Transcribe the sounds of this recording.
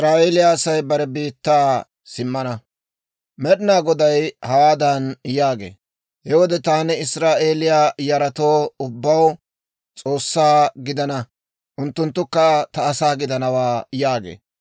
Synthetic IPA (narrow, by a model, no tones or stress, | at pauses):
sɾaːʔeːlɪjaːsɐjbɐɾɛbiːt̪ːaː | sɪmːɐnɐ | mɛɗɪnaːɡɔd̪ɐjhɐwaːd̪ɐnjaːɡḛː | hɛwɔd̪ɛt̪aːnɛɪsɾaːʔe̞ːlɪjaːjɐɾɐt̪o̞ːʊbːɐw | t͡sʼo̞ːsːaːɡɪd̪ɐnɐ | ʔʊnt̪ːʊnt̪ːʊkːɐt̪ɐːsaːɡɪd̪ɐnɐwaːjaːɡḛː